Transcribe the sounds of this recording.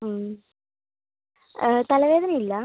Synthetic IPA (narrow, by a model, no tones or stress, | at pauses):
m | t̪ɐlɐʋeːd̪ɐnɐmilːɐ